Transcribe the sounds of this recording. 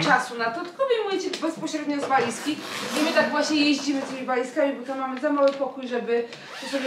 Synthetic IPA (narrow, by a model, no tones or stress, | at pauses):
t͡ʂasunat̪ɔt̪kɔbʲjɛmujɛt͡ɕɛɡbɛspɔɕɾɛd̪ɲɔzvajskʲinɛmɘt̪aɡvwaɕɲɛjeʑd͡ʑimɘst̪imʲivajskamʲibɔt̪ammːamɘzamawɘpɔkujʐɛbɘ | t̪ɔsɔbʲ